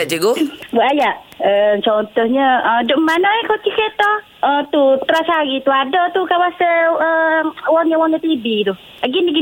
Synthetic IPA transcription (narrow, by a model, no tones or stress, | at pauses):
d͡ʒeɡuwəajaʔət͡ʃɔnt̪ɔhɲaədɔʔmːanaɛkɔt͡ʃikɛt̪ɔ | ət̪ut̪əɾasaɡit̪uadɔt̪ukawasəəwɔŋɲawɔŋɲat̪ibit̪u | aɡiniɡi